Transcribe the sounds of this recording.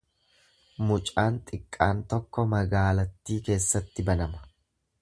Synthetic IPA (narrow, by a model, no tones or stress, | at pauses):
mʊt͡ʃʼaːnt̪ʼɪkʼːaːnt̪ɔkːɔmɐɡaːlɐt̪ːiːke̞ːsːɐt̪ːɪbɐnɐmɐ̥